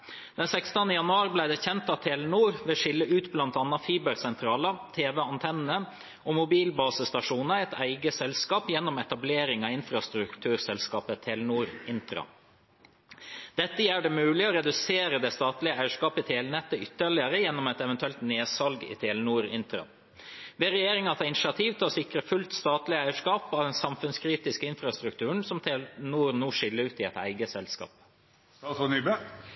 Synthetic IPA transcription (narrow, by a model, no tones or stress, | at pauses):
d̪̥ɛnsɛkst̪ənəjɑnʉɑːɾblæɪd̪ɛçɛnt̪ɑʋt̪ʰeːlnuːɾʋeːʂɪlːəʔʉːt̪blɑnt̪ɑnːɑfiːbəɾsɛnt̪ʰɾɑːlət̪ʰeːʋɛɑnt̪ʰɛnːə | omʊbiːlbɑːsəst̪ɑʂuːnəɛɪt̪ʰæɪɡəsɛlskɑːpjɛnːɔmɛt̪ɑbleːɾɪŋɑɪnfɾɑst̪ɾʉkt̪ʰʉːɾsɛlskɑːpət̪ʰeːlnuːɾɪnt̪ɾɑ̰ | d̪̥ɛt̪ːəjæːɖɛmʉːlɪoːɾɛd̪ʉseːɾəd̪ɛst̪ɑːt̪lɪəæɪəʂkɑːpəɪt̪ʰeːlnɛt̪ːəʏt̪ːəɭɪəɾəjɛnːɔmɛt̪ɛʋɛnt̪ʉɛlt̪neːsɑlɡɪ̰t̪ʰeːlnuːɾɪ̰nt̪ɾɑ̰ | ʋeːɾɛjeːɾɪŋɑt̪ɛɪnɪʃɪɑt̪ʰiːʋt̪ʰɪlɔsɪkɾəfʉlt̪st̪ɑːt̪lɪəæɪəʂkɑːpɑːʋd̪ɛnsɑmfʉnskʰɾiːt̪ɪskəɪnfɾɑst̪ɾʉkt̪ʉːəɳsɔmt̪ʰeːlnuːɾnuːʂɪlːəɾʉːt̪ɪɛt̪æ̰ɪɡəsɛlskɑ̰ːp | ɔnybe